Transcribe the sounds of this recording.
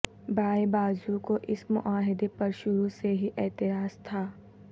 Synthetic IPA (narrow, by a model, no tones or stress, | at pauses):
bʱaːibaːd͡ʒukoʔɪsmʊ̰ʔaːɦɪd̪epɐɾʃʊɾuseɦiʔɛːt̪ɪɾaːzt̪ʰaː